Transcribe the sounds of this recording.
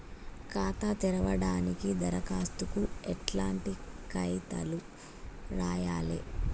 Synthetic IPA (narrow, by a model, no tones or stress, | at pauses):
kaːt̪at̪iɾɐʋɐɽaːnikid̪ɐɾɐkaːst̪ukuɛʈlaːɳʈikɐjt̪ɐ̰lu | ɾaːjaːlḛ